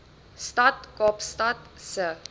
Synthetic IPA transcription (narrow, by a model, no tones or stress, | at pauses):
statkɔpstatsə